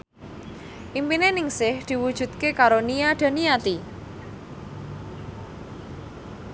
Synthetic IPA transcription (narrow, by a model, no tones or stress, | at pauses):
ʔimpinenɪŋsɪhd̪̥i̤wud̥ʒ̥ṳt̪̚kekaɾonijaɖ̪̥a̤niat̪i